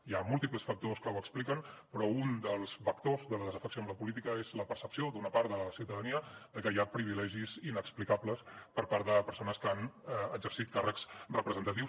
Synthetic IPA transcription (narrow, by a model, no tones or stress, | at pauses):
iamulˠt̪ipləsfək̚t̪oskəwəksplikənpɾɔund̪əlˠz̥fəkt̪ozðələðəzəfəksiomləpulit̪̬ikəezləpəɾsəpsiod̪unəpaɾt̪ðələsiwt̪əðəniəðəkəjapɾiβilɛʒizinəksplikabləspəɾpaɾt̪ðəpəɾsonəskəanɛəzəɾsit̪̚karəkzrəpɾəzənt̪ət̪iws